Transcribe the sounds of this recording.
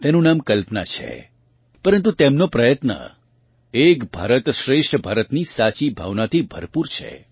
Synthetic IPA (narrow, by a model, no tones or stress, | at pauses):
t̪enũnamkəlpna̰t͡ʃʰḛ | pəɾənt̪̬ut̪emnopɾəjət̪nə̰ | ekbʱa̰ɾət̪ʃɾeʃʈʰbʱaɾət̪nisat͡ʃibʱa̰ʋnat̪ʰibʱə̰ɾpuɾt͡ʃʰḛ